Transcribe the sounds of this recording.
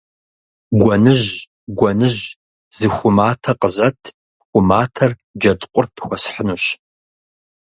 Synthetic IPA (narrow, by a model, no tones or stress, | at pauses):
ɡʷɔnɨʑ | ɡʷɔnɨʑ | z̥ɨxʷʊmaːtʰɐqəzɐtʰ | xʷʊmaːtʰɐrd͡ʒɐdqʷʼʊrtʰxʷɔsħənuɕ